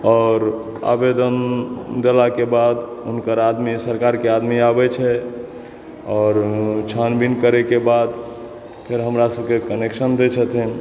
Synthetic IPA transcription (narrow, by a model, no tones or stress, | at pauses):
ɔːɾ | a̰bed̪ənd̪elakebad̪unkəɾad̪misəɾkaɾkead̪miabɛt͡ʃʰɛ | ɔːɾt͡ʃʰanbinkəɾɛkebad̪ | pʰeɾɦəmɾasəb̚kekəneksənd̪et͡ʃʰət̪ʰin